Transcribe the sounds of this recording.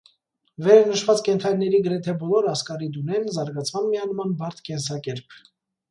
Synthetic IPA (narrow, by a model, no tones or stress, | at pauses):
vɛɾɑnəʃvɑt͡skɛnt̪ʰɑjnːɛɾiɡəɾɛt̪ʰɛbɔlɔɾɑskɑɾid̪unɛnzɑɾɡɑt͡sʰmɑnmiɑnmɑnbɑɾt̪ʰkɛnsɑkɛɾpʰ